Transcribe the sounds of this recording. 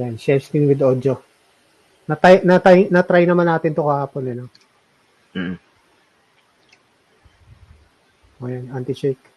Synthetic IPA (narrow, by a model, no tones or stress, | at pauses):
janʃɛst̪ɪnwɪd̪oːd̪o | nɐt̪ajnɐt̪ajnɐt̪ɾajnɐmanːaːt̪ɪnt̪ʊkɐhaːponɛno | ʔojanant̪ɪt͡ʃejk̚